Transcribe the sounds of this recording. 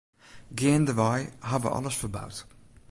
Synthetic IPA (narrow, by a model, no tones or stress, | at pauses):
ɡeːnd̪əvajɦavə̰ʔɑ̰ləsfəba̰wt